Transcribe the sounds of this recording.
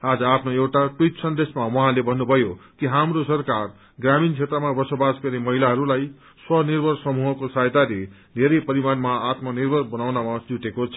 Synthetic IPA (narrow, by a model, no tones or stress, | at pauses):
ad͡zʌapʰnoewʈaʈwujt̪sʌnd̪esmawʌɦãlebʱʌnːubʱʌjokiɦamrosʌrkar | ɡramint͡sʰet̪ɾrʌmabʌsobasɡʌrnemʌɦilaɦʌɾulaj | swʌnirbʱʌrsʌmuɦʌkosajt̪ale | d̪ʱeɾʌjpʌɾimanmaat̪mʌnirbʱʌrbʌnawnamad͡zuʈekot͡sʰʌ̥